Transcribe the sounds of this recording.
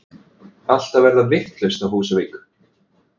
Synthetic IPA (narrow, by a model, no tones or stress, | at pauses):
al̥t̪avɛɾðavɪht̪lest̪awhuːsʏveːk